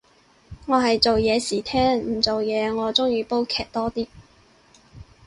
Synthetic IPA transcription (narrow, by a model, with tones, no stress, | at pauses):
ŋɔː˨˧ɦɐ˨jt͡so˨wjɛː˨˧siː˨˩t̪ʰɛː˥ŋm̩˨˩t͡so˨wjɛː˨˧ŋɔː˨˧t͡sʊ˥ŋjyː˨˧po˥wkʰɛː˨˩k̚t̪ɔː˥t̪iː˥